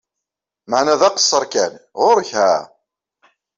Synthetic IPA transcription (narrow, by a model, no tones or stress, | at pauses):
maʕnæðæqə̥sˤːəɾˤkænʁʊɾçhæ̰